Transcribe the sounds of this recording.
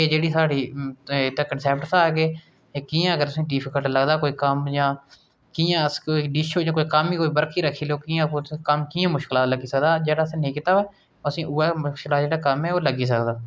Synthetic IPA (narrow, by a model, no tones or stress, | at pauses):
eːd͡ʒeːɽiːsaːɽiːt̪eːkənsɛːp̚ʈsaːɡeː | eːkijãːəɡəɾt̪ʊsĩːɖiːpʰɪkəlʈləɡd̪aːkoːiːkəmjãː | kiːjãːəskoiɖiːʃoːd͡ʒjãːkoːiːkəmiːkoːiːbəɾkʰiːɾəkʰːiːloːkɪjãːkəmkɪjãːmʊʃkɪlaːt̪ləɡiːsəkd̪aːd͡ʒeːɽaːəsĩːnĩːkɪt̪aːʋeː | oəsĩːʔuːɛːmʊʃklaːt̪d͡ʒeːɽaːkəmɛːoːləɡiːs̬əkd̪aː